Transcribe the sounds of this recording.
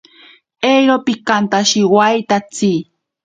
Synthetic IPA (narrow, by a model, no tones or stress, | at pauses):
ejɾopikant̪aʃiwajt̪at͡si